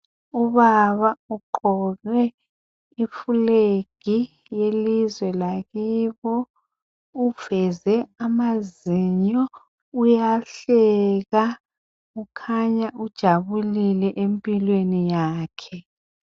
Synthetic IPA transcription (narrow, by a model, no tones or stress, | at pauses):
uβaβauǃɔnwɛ | ifuleɡ̥ʱi | jelizwɛlaɣiːβɔ | uv̥ɛzɛamaziɲɔ | ujaɬɛɣa | ukʰaɲaʔud̥ʒ̥ʱaβulilɛʔempʼilwenijaːkʰɛ